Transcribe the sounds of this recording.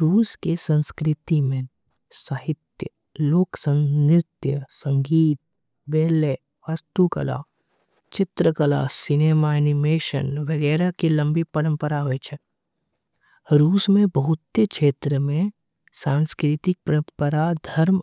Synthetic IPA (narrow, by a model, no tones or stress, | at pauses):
ɾuːskesə̃nskɾɪt̪imẽ | səɦɪt̪jə | loːksə̃nɪt̪jəsə̃ŋɡiːt̪̚ | beːle | ʋast̪ukə̰la̰ː | t͡ʃɪt̪ɾəkəla̰ːsɪneːmaɛnɪmeːʃə̰nʋəɡɛːɾakilə̃mbipɐɾə̃mpəɾaɦoet͡ʃʰɛ | ɾuːsmẽbəɦʊt̪ːekʃeːt̪ɾəmẽ | saːnskɾɪt̪ɪk̚pəɾə̃mpəɾad̪ʱɐɾm